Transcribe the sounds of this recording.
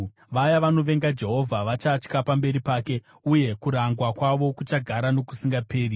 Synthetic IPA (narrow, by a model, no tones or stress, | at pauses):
ʋajaʋano̞ʋe̞ŋɡad͡ʒe̞ɦo̞vʱaʋat͡ʃat͡ʃkapambe̞ɾipaːke̞ | uje̞kuɾaŋɡwakwaʋo̞kut͡ʃaɡʱaɾano̞ku̥siŋɡape̞ːri